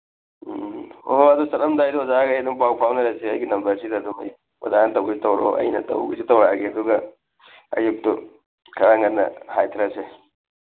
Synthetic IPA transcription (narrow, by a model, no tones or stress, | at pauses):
o̰oɐdusɐnɐmdajduwɐzaɡɐjduŋpawpʰawnɐɾaseɐjɡinɐmbɐɾsidɐːdumɐ̰j | wɐ̰zanɐtɐwɡisitɐwɾo̰ʔɐ̰jnɐ̰tɐ̰wɡḭsitɐwɾaɡeɐduɡɐ | ɐ̰juk̚tu | kʰɐɾaŋɐnnːɐ̰hajtʰɾase